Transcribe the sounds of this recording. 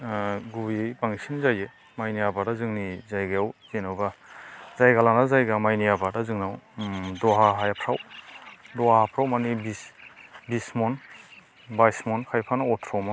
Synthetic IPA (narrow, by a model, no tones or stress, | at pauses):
ɡujejbaŋisinzaje | majnijabadazɯŋnizajɡajawzenawbazajɡalanazajɡamajnijabadazɯŋnawdɔɦaɦajapʰɾaw | dɔahapʰɾawmanibisbismɔn | bajsmɔnkʰajpʰanaɔtʰɾɔmɔ